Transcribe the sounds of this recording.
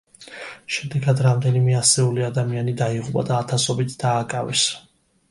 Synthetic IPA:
ʃɛd̪ɛɡad̪ɾamd̪ɛnimɛasɛuliad̪amianid̪aiʁupʼa̰d̪aːt̪ʰasɔbit̪ʰd̪aːkʼavɛs

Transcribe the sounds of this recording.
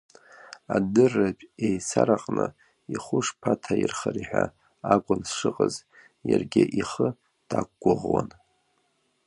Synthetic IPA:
adɨrːapʼejsaɾaqʼnɨ | iχʷʊʂpʰatʰairχariħʷᶣa | akʷʼʊnsʂɨqʼəz | jarɡʲɪʔiχə | d̥akʷʼɡʷʊʁwan

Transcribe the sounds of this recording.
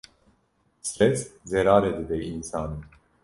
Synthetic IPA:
st̪ɾɛszeɾaːɾed̪id̪ɛinsaːnɯ

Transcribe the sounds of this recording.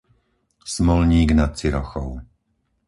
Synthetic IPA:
smɔlɲiːɡnat̪̚t͡siɾɔxɔʊ

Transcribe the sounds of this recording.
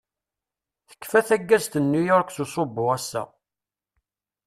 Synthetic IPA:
θə̥kːfæθæɡːæzt̪ənːujɔɾkθusˤobːʊʁæsːæ̰

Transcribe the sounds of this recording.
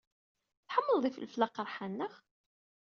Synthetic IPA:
θħəmːəlˤðˤifə̰lflɑqəɾˤħanːəʁ

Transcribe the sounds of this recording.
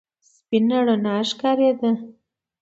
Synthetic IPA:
spinaɽonaʃkaɾed̪ə

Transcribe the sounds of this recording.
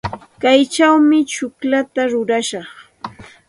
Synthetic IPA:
kajt͡ʃawmɪt͡ʃʊklat̪aɾʊɾaʃɑχ

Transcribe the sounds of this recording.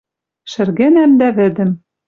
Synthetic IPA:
ʃɘ̆rɣenæmd̪æβɘ̆d̪ɘ̆m

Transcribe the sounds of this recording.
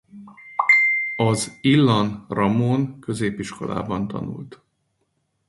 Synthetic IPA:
ɒzilːɒnrɒmoːnkø̞zeːpiʃko̞̰la̰ːbɒnt̪ɒ̰nṵlt̪

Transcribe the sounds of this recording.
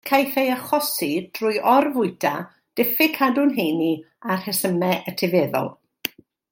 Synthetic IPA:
kʰajθejaχɔsid̥rʊjʔɔrvʊɨdʰa | d̥ɪfɪkʰadʊnɦejni | ar̥hɛsəmɛʔətʰɪveːðɔ̰lˠ

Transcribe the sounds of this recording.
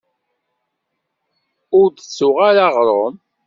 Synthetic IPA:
ʊɾd̪ət͡sːʊʁaɾaʁɾˤəm

